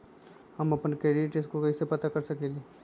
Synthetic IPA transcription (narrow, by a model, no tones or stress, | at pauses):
hɐmɐpənkeːɾieʈeskokɐɪsepɐt̪akɐɾsɐkeːle